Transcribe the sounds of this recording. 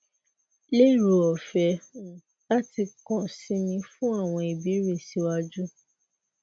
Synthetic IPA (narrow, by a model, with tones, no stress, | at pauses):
le˦˨ɾu˨ɔ˨fɛ˨˦˨ | la˦ti˧kɔ̃˨sĩ˧˦nĩ˧fũ˦a˦˨w̃ɔ̃˧i˨bi˨˦ɾe˦˨si˨˧˦wa˧d͡ʒu˦